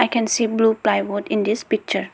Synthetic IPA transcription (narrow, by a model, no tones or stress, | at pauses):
aɪkɛ̃nsiːbluːplaɪʋɔɖɪ̃nd̪ispik̚t͡ʃəɾ